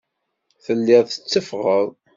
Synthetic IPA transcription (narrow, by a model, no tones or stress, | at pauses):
θəlːɪðˤθə̥t͡sːəfʁəðˤ